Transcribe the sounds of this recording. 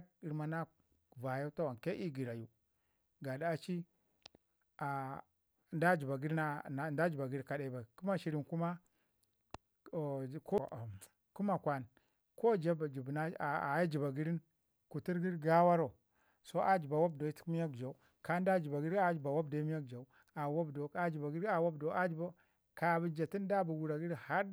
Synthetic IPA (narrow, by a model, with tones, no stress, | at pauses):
i˨ɾma˨na˦˨ | va˨ja˦ta˦wa˨nke˦ʔi˦ɡi˨ɾa˨ju˨ | ɡa˨da˦a˦t͡ʃi˦ | a˨ | nda˦d͡ʒi˨ba˨ɡi˦ɾna˦a˨nda˦d͡ʒi˨ba˨ɡi˦ɾka˨da˨i˨ba˨i˨ku˦ma˦ʃi˨ɾi˨nku˦ma˦˨ | ko˦˨ | ku˦ma˨kwa˦n | ko˦d͡ʒa˦bd͡ʒi˨bna˦˨a˨ja˦d͡ʒi˨ba˨ɡi˦ɾi˦n | ku˨ti˦ɾɡi˦ɾɡa˦wa˦ɾo˨ | so˦ʔa˦d͡ʒi˨ba˨wa˦b̚do˨i˦ti̥˦mi˦ja˦kd͡ʒa˨u˦ | ka˦n˦da˦d͡ʒi˨ba˨ɡi˦ɾi˦a˦d͡ʒi˨ba˨wa˦b̚do˨˦mi˦a˦k̚d͡ʒa˨u˦ | a˨wa˦bdo˨a˨d͡ʒi˨ba˨ɡi˦ɾi˦a˨wa˦bdo˨a˦d͡ʒba˦ | ka˨bi˨d͡ʒa˨ti˦n˦da˦bu˨wu˨ɾa˨ɡi˦ɾha˦ɾ